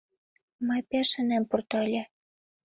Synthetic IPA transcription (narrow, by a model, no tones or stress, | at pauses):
mɤjpeʃə̆næmpurt̪ɑlʲĕ